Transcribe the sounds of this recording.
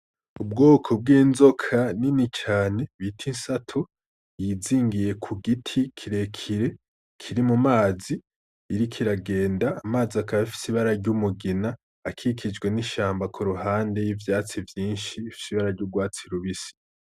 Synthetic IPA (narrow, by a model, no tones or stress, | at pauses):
ubɡoːkʰob̚ɡiːnzo̞kʰaninit͡ʃaːne̞βitʰinsatʰo | jiziːŋɡije̞kʰuɡitʰikʰiɾe̞kʰiɾe̞ | kʰiɾimumaːziː | ɾikʰiɾaɡe̞ːndaːmaːziakaβafi̥siβaɾaɾɟumuɡinaː | kʰikʰid͡ʒɡwe̞niʃaːmbakʰuɾuɦaːnde̞jivjaːt͡sivjiːnʃiːfi̥siβaɾaɾɟubɡwaːt͡siɾuβisi̥